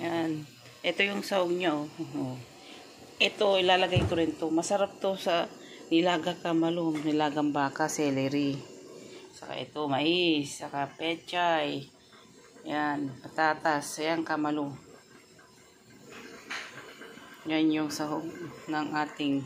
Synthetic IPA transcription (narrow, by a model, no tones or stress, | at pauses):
jan | ʔɛt̪o̞jʊŋsɐhoɡ̚ɲaʔooo | ʔɛt̪o̞ʔɪlaːlɐɡajk̪ʊɾɪnt̪o̞mɐsɐɾap̚t̪o̞sɐ | nɪlaːɡakamɐlonɪlaːɡambaːkasɛlɛɾɪ | sɐka̰ʔɛ̰t̪omɐʔɪsːɐkapɛt͡ʃaj | janpɐt̪aːt̪asɐjaŋkamɐlo | janjʊŋsɐɦoɡ̚nɐŋʔaːt̪ɪŋ